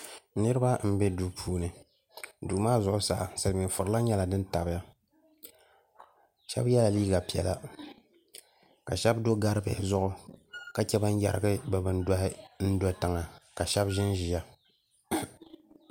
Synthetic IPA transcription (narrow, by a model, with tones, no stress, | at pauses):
nɨ˦ɾɨ˦ba˦m̩˦be˦du˦pʰuː˦nɨ˨ | duː˨maː˦zʊ˨ʔʊ˦sa̰ː˨sa˨mɪ˨n˨fʊ˨ɾɨ˨la˦ɲɛ˦la˨dɨ˦n˦ta˨bɪ˦ja˦ | ʃɛ̰˦bjɛ˦la˨liː˦ɡa˨pi˨ɛ˨la˦ | ka˨ʃɛ˦bdo˦ɡa˦ɾɨ˦bɛ̰˨zʊ˦ʔʊ˦ka˦t͡ʃɛ˦ba˦n˦ja̰˨ɾɨ˨ɡɨ˦ba˨bɨ˦nda˦hɪ˦n̩˦dɔ˦tɨ˨ŋa˨ka˨ʃɛ˦bʒɪ˦nʒi˨ja˦